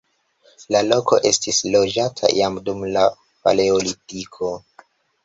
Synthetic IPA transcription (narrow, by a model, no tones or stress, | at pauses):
lalo̞ko̞̰ʔe̞stislo̞d͡ʒatʰa̰jamdumla | pa̰leolitikʰo̞